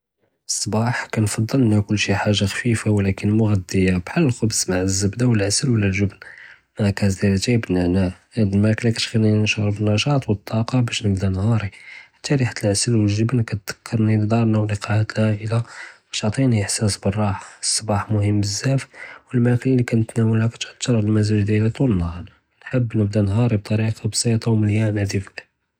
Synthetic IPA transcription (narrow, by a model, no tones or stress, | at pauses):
əsˤːbɑħkænfɑd̪ˤːələnækʊlːʃiħaʒːaxfifawlækənmʊɣæd̪ːəjabħalːəlxʊbsmaʕəzːəbd̪awəlʕasəlwəlːælʒəbn | mækæzd̪ælət̪æbnaʕnahæd̪əlmæklakæt̪xininʃɑɾˤbənːɑʃɑt̪ˤwət̪ʰˤːɑqɑbæʃnəbd̪ænhɑɾˤiħḁt̪ːæliħḁt̪ːəlʕəsəlwəlʒəbnkæt̪d̪̥ə̥kʰːɑɾˤnild̪ɑɾˤnæwliqɑʕat̪læʔəla | æt̪ʕt̪ˤiniəħsæsbərˤːɑħsˤːɑbɑħmʊhəmːbəzːæfwəlmæklilikænət̪næwəlhækæt̪ʕt̪ːɑɾˤəlmæzæʒd̪jælit̪ˤulənːɑhɑɾˤ | nħəbːnəbd̪ænɦɑɾib̚t̪ˤɑɾiqbsɑt̪ˤɑwməljænæd̪if